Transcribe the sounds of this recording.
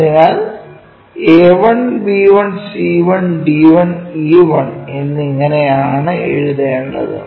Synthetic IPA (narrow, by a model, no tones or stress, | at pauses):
ɐðinːaːl | eːʋɐɳbiːʋɐɳsiːʋɐnɖiːʋɐniʋɐɳe̞nːɨiŋːɐnejaːɳɨḛɻuðɐjɳɖɐ̰ðɨ̰